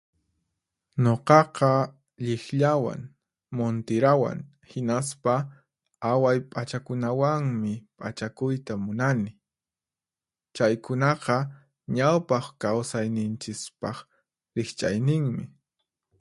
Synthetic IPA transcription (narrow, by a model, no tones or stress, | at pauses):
ɲoqɑqɑ | ʎɪxʎawa̰ŋ | mont̪ɪɾawa̰ŋ | hɪnaspa | awajpʼat͡ʃakʊnawaŋmɪpʼat͡ʃakʊjt̪amʊnanɪ | t͡ʃajkʊnɑqɑ | ɲawpɑχkawsajnɪnt͡ʃɪspɑχ | ɾɪχt͡ʃʼa̰jnɪŋmɪ